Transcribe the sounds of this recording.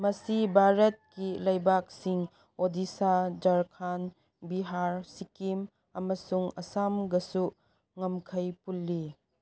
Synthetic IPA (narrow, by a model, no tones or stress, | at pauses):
mɐsibʱaɾɐt̚kilɐjbak̚siŋ | odisad͡ʒaɾkʰan | biɦaɾsikim | ɐmɐsuŋɐsamɡɐsu | ŋɐmkʰɐjpulːi